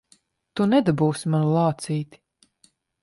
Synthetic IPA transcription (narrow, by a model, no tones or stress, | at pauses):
t̪unɛd̪abuːsimanulˠɑːt̪siːt̪i̥